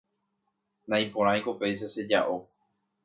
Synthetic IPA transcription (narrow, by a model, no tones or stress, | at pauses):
nãĩpõɾãĩkopejs̬ese̞d͡ʒaʔo